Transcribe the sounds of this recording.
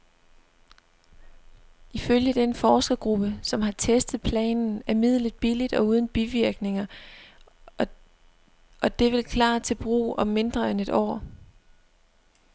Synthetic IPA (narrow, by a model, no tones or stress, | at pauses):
ʔiføljəd̥enfɒːsɡ̥ɐɡ̥ʁub̥əsɒ̽mɦɑ̈t͡sʰesd̥ð̩ˠpʰlɛ̰ːnn̩æɐmið̞̰ˠlid̥̚b̥ilid̥ɒ̽uːð̞ˠn̩b̥iʋiɐɡ̥ne̝ŋɐ | ʔɒ̽d̥e̝ʋe̝lkʰlɑ̰̈ːt͡sʰe̝b̥ʁṵːʔɒ̽mːe̝nd̥ʁɐene̝d̥ɒ̰ː